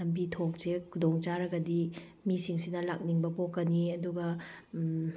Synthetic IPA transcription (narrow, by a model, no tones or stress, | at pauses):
ɐmbitʰok̚sekʰudoŋt͡ʃaɾɐɡɐdi | misiŋsinɐlak̚niŋbɐpokːɐniɐduɡɐ